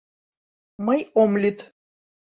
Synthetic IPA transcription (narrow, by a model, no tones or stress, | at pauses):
mɐjomlʲyt̪